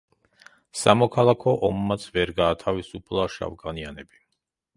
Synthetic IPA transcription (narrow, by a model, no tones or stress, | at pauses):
samɔkʰalˠakʰɔʔɔmːat̪sʰvɛɾɡaːt̪ʰavisupʰlˠaʃa̰vɡanianɛbi